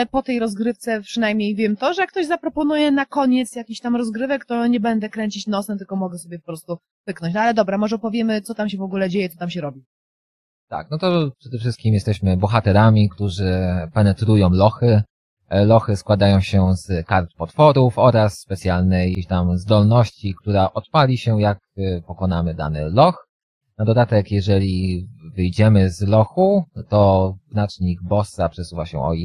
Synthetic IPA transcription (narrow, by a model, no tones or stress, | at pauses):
pɔt̪ɛjɾɔzɡɾɘft̪sɛpʂɘnajmɲejvʲjɛmt̪ɔʐɛjak̚ːt̪ɔʑzapɾɔpɔnujɛnakɔɲɛt̪sjakʲiɕt̪amɾɔzɡɾɘvɛkt̪ɔɲɛbɛnd̪ɛkɾɛɲt͡ɕit͡ɕnɔsɛt̪ɘlkɔmɔɡɛsɔbʲjɛpɔpɾɔst̪u | pɘknɔɲt͡ɕnɔalɛd̪ɔbɾamɔʐɛpɔvʲjɛmɘt̪sɔt̪amɕɛvɔɡulɛd͡ʑejɛt̪ɔt̪amɕɛɾɔbʲi | t̪a̰k̚nɔt̪ɔpʂɛd̪ɛfʂɘst̪̚kʲimjɛst̪ɛɕmɘbɔxat̪ɛɾamʲikt̪uʐɘpɛnɛt̪ɾujɔ̃w̃lɔxɘ | lɔxɘskwad̪ajɔ̃w̃ɕɛzkaɾt̪̚pɔt̪fɔɾufɔɾasːpɛt̪sʲjalnɛjɕt̪amzd̪ɔlnɔɕt͡ɕikt̪uɾaʔɔt̪palʲiɕɛjakpɔkɔnamɘd̪a̰nɘ̰lɔx | nad̪ɔd̪at̪ɛkjɛʐɛlʲivɘjd͡ʑɛmɘzlɔxut̪ɔznat͡ʂɲiɡbɔsapʂɛsuvaɕɛ̰ʔɔ̰ix